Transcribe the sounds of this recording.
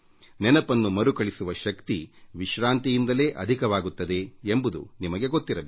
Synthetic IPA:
nɛnɐpɐnːumɐɾukɐɭisuʋɐʃɐkt̪iʋiʃɾaːnt̪ijind̪ɐle̞ːʔɐd̪ʱikɐʋaːɡut̪ːɐd̪e̞ːmbud̪ṵnimɐɡe̞ɡot̪ːiɾɐbe

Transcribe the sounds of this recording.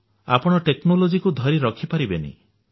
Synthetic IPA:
a̰pɔɽ̃ɔʈeknolod͡ʒikud̪ʱɔɾiɾɔkʰipaɾibenḭ

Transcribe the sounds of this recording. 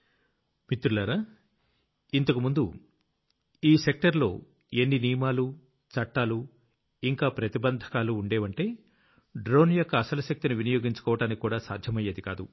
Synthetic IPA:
mit̪ːɾulɐːɾaː | int̪ɐkumund̪u | iːse̞k̚ʈɐɾlo̞̰ː | enːiniːmaːlu | t͡ʃɐʈːaːlu | iŋkaːpɾɐt̪ibɐnd̪ʱɐ̥kaːluːɳɖeːʋɐɳʈe̞ː | ɖɾo̞ːnjokːɐːsɐlɐʃɐk̚t̪inuʋinɐjo̞ːɡiɲt͡ʃu̥kɔːʋɐʈaːnikʲikːuːɽaːsa̰ːd̪ʱjɐmɐjɐd̪ika̰ːd̪u

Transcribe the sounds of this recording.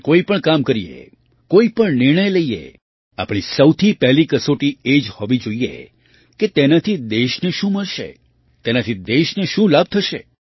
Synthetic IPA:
koipəɳkamkəɾijḛ | koipəɳnɪɾɳ̃əjləiḛ | a̰pɽ̃isəwt̪ʰipɛɦlikəsoʈied͡ʒhɔʋid͡ʒoiḛ | ket̪enat̪ʰid̪eʃneʃũməɭʃḛ | t̪enat̪ʰid̪eʃneʃũlab̚t̪ʰəʃḛ

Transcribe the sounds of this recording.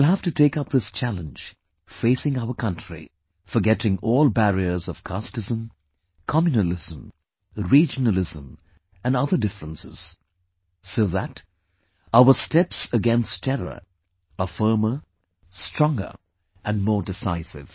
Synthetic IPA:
lˠɦæftɨtʰeɪkʌp̚ðɪst͡ʃʰælˠə̃nd͡ʒ | feɪsɪ̃ŋaʊə˞kʰʌ̃ntɹ̥ḭ | fə˞ɡɛɾɪ̃ŋɔːlˠbæɹiə˞zʌv̥kʰɑstɨzə̃m | kʰɑmjɨnəlɪz̥ə̃m | ɹid͡ʒənəl̩ˠɪzə̃m | ɨ̃nʌðə˞dɪfɹə̃nsɪ̰z̥ | soʊðæt | aʊə˞stɛpsɨɡɛ̃nstʰɛɹə̰˞ | əfɜ˞mə˞ | stɹ̥ɔ̃ŋɡə̰˞ | ʔɨ̃nmɔːɹdɨsaɪsɪ̰v̥

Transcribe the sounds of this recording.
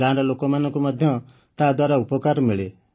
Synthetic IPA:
ãnɾɔlokɔmanɔ̃ŋkomɔd̪ʱjɔ | t̪ad̪waɾaupɔkaɾmiɭe

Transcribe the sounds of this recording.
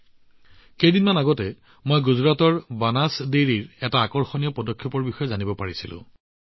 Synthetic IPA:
kejdinmanaɡɔtɛ | mojɡuzɹatɔɹbanasdeɹiɹɛtaːkɔɹxɔnijɔpɔdɔkʰːjɔpɔɹbixɔjɛzanibɔpaɹisilʊ̰̃

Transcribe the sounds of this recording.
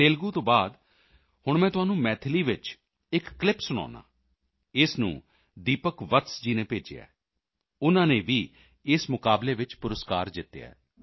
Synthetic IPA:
t̪eːlɡũːt̪õːbaːd̪ | hʊɳmɛ̃ːt̪ʊɦaːnũːmɛːt̪ʰliːʋɪt͡ʃ | ɪkːlɪpsʊɽ̃a̰ːnã̰ː | ɪsnṵ̃ː | d̪iːpəkʋət̪sd͡ʒiːnẽːpeːd͡ʒḛja̰ː | ʊnãːneːʋiː | ɪsmʊkaːbleːʋɪt͡ʃpʊɾəskaːɾd̪ɪt̪ːja̰ːɛː

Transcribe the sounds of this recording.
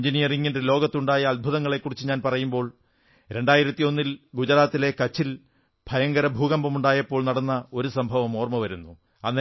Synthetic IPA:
ɲd͡ʑinijɐriŋːindelo̞ːɡɐt̪ːuɳɖaːjɐɐlbʱuðɐŋːɐɭe̞kːurit͡ɕːuɲaːnpɐrɐjumbo̞ːɭ | ɾe̞ɳɖaːjiɾɐt̪ːijo̞nːilɡud͡ʑɐɾaːt̪ːile̞kɐt͡ɕːil | b̥ʱɐjɐŋɡɐɾɐbʱuːɣɐmbɐmuɳɖaːjɐpːo̞ːɭnɐɽɐnːɐo̞ɾusɐmbʱɐʋɐmo̞ːrmɐʋɐɾunːu | ɐnːe

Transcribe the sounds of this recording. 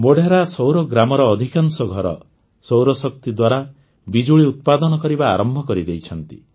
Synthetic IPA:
moɖʱaɾasowɾɔɡɾamɔɾɔːd̪ʱikaŋsɔɡʱɔɾɔ̰ | sowɾɔsɔk̚t̪id̪waɾa | bid͡ʒuɭiut̪̚pad̪ɔnɔkɔɾiba̰ːɾɔmbʱɔkɔɾid̪ejt͡ʃʰɔnt̪ḭ

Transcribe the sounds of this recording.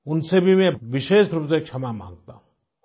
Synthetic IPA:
ʊnsebʱimɛ̃ʋɪʃeːʃɾupzek̚t͡ʃʰɐmamã̰ːŋɡ̚t̪aɦũ

